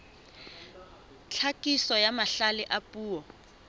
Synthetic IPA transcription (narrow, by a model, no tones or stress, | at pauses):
t͡ɬʰakʼisɔjamaɬalɪʔapʼuːwɔ